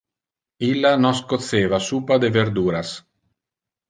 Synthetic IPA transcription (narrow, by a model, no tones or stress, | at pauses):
ilːanɔskot̪seːvasuːpad̪eveɾd̪uːɾas